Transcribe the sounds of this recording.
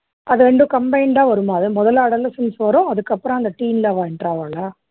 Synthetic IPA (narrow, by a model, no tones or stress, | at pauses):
ʔɐðɯɾɛɳɖɯkɐmbɐɪɳɖaːʋɐɾɯmaːðɯmɔðɐlaːɽɐlːɐsɐnsʋɐɾʊ̃ɐðɯkːɐpːɯɾɔ̃ɐnd̪ɐʈiːnlaːʋaːɛnɖɾaːʋaːlaː